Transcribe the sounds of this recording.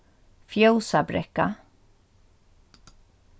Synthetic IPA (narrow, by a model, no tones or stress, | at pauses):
fjowsabɾɛ̰kːa